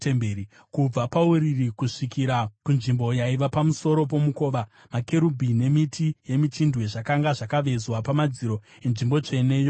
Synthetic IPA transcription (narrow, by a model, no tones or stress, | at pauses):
embeɾi | kub͡vapauɾirikuʂikiɾakunʐimbo̞jaiʋapamuso̞ɾo̞p̬o̞muko̞ːʋa | make̞ɾubʱine̞mitʰije̞mitindwe̞ʐakaŋɡaʐakaʋe̞zwapamad͡ziɾo̞ | enʐimbo̞t͡ʂe̞ne̞ːjo̞